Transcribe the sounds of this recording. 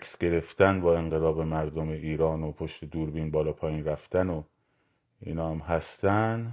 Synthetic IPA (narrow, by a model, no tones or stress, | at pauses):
æksɡe̞ɾe̞ft̪ænbɒːe̞ɴɢelɒːbe̞mæɾd̪omeʔiːɾɒːnopʰoʃt̪e̞d̪uːɾbiːnbɒːlɒːpʰɒːjiːnræft̪æno | ḭːnɒːhæmɦæst̪æn